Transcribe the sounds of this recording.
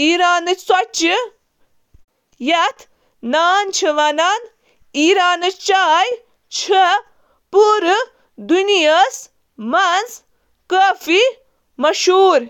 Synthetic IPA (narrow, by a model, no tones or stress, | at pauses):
iːɾaːnɨswɐt͡ʃi | jɐt̪ʰ | naːnt͡ʃʰɨʋɐnaːn | iːɾaːnɨt͡ʃaːj | t͡ʃʰɐ | puɾɨ | d̪unijɐs | mɐnz | kəːfi | mɐʃuːɾ